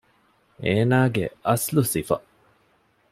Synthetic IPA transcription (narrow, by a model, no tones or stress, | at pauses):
ʔeːnaːɡḛʔɐslusifɐ̰